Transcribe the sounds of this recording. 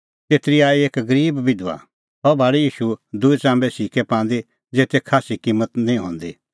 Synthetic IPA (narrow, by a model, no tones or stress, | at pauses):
t̪eːt̪ɾiaːieːkɡɐɾiːbʋɪd̪ʋa̰ | ɦɔbʱaːɽijiːʃud̪ʊit͡sãːmbɛsiːkʰɛpãːnd̪i | d͡zeːt̪ekʰaːsikiːmːət̪nĩɦɔ̰̃ːnd̪i